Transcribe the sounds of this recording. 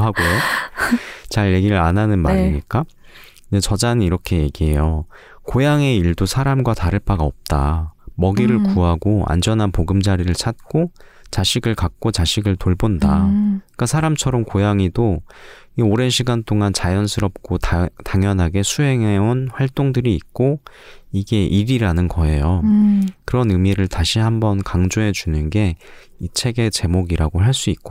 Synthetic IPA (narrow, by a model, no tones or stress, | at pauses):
ɦaɡojo | t͡ɕaɭje̞ɡiɾɯɾanɦanɯnmaɾiɲik͈a | et͡ɕʌd͡ʑanɯniɾʌkʰe̞je̞ɡiɦe̞jo | kojaŋe̞iɭdosʰaɾamɡwataɾɯɭpaɡaʌp̚t͈a̰mʌɡiɾɯɭkuɦaɡoa̰nd͡ʑʌnɦanpoɡɯmd͡ʑaɾiɾɯɭt͡ɕʰat̚k͈o | t͡ɕaɕʰiɡɯɭkak̚k͈ot͡ɕaɕʰiɡɯɭtoɭbondak͈asʰaɾamt͡ɕʰʌɾʌmkojaŋido | ioɾe̞nɕʰiɡant͈ʰoŋant͡ɕajʌnsʰɯɾʌp̚k͈ottaŋjʌnɦaɡe̞sʰuɦe̞ŋeonɸwaɭt͈oŋdɯɾiːt̚k͈o | iɡe̞ʔiɾiɾanɯnɡʌe̞jokɯɾʌnɯmiɾɯɭtaɕʰihambʌnkaŋd͡ʑoɦe̞d͡ʑunɯnɡe̞ | it͡ɕʰe̞ɡe̞t͡ɕe̞moɡiɾaɡoɦaɭs͈uitk̚k͈o